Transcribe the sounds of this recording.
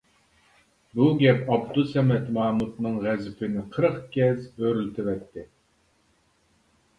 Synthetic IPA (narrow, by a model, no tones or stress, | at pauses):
buɡʲɛpɑbd̪usɛmɛt̪mɑːmut̪nɨŋʁæzɪpʰɪnɪqʰəɾəqɡʲɛzøɾylt̪ʰɪvɛt̪ʰːɪ